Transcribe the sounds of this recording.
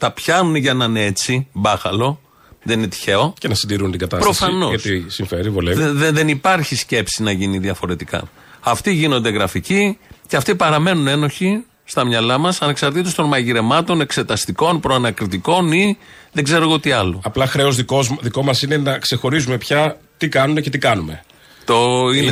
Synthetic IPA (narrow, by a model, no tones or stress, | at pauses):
t̪ɐpçɐnunʝɐnɐneet͡sibɐxɐlo̞ | ðeninet̪i̥çe̞o̞cenɐsind̪iɾunt̪iɡɐt̪ɐspɾo̞ɐsfɐno̞ʝɐst̪isiɱfeɾivolevðeðe̞nipɐɾçisce̞psinɐʝiniðiɐfo̞ɾe̞t̪ikɐ̰ | ɐft̪iʝino̞nd̪e̞ɣɾɐficiceɐft̪ipɐɾɐme̞nune̞no̞çi | st̪ɐmɲɐlɐmɐsɐneksɐɾt̪it̪est̪o̞nmɐʝiɾe̞mɐt̪o̞ne̞kse̞t̪ɐst̪iko̞npɾoɐnɐkɾit̪iko̞niðeɡze̞ɾo̞ɣot̪iɐlo̞̰ɐplɐxɾe̞o̞zðiozðiko̞mɐsine̞nɐkse̞xo̞ɾizume̞pçɐt̪ikɐnunece̞t̪ikɐnume̞ | t̪oin